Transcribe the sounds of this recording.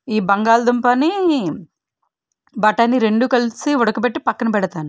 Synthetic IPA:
iːbɐŋɡaːlɐd̪umpɐni | bɐʈːɐnːiɾe̞ɳɖukɐlisiɔɽɐkupeʈːipɐkːɐnɐpɛɽɐt̪aːnu

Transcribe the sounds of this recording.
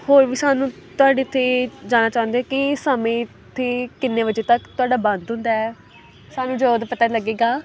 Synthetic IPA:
hoːɾʋiːsaːnũːt̪ʊaːɖeːt̪ʰeːd͡ʒaːnaːt͡ʃaːʊ̃nd̪eɛːkɪsəmẽː | t̪ʰːeːkɪnːẽːʋəd͡ʒeːt̪əkt̪ʊaːɖaːbə̃nd̪ɦʊ̃nd̪aːɛ | saːnũːd͡ʒoːd̪pət̪aːləɡeːɡaː

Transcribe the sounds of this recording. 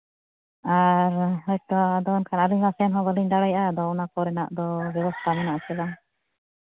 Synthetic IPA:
aɾɦɔjt̪ɔd̪ɔːnkʰanəliɲmasɛnɦɔ̃bəliɲɖ̪aɽajʔad̪ɔɔnakɔɾɛnaʔd̪ɔbjɛbɔst̪ʰamɔnaʔt͡ʃɛla

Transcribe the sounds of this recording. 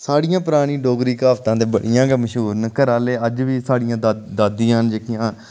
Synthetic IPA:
saːɽɪjãːpɾaːɽ̃ĩːɖoːɡɾiːkaːʋt̪ãːd̪eːbə̰ɽijãːɡeːməʃɦuːɾnəkəɾaːleːəd͡ʒʋiːsaːɽɪjãːd̪d̪aːd̪ːijãːnd͡ʒeːkɪjãː

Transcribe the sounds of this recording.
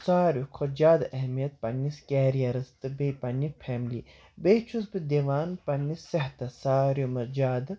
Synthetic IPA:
saːɾjukʰod͡ʒaːd̪ɐɦmijɐt̪̚pɐniskɛːɾijɐɾɐst̪ɨbeːpɐnipʰɛːmli | beːt͡ʃʰusbɨd̪eʋaːnpɐnːiseɦt̪ɐsaːɾjumɐɾd͡ʒaːd̪

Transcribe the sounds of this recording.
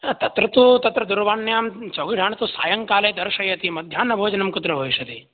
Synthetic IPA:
t̪ɐt̪ɾɐt̪ut̪ɐt̪ɾɐd̪uɾʋaːɳːjaːmt͡ʃoɡiʈʰaːɳt̪ũsa̰ːjɐŋkaːled̪ɐɾʃɐjɐt̪imɐd̪ʱjaːnɐbʱoːd͡ʒɐnɐmkʊt̪ɾɐbʱoːiʃɐt̪i

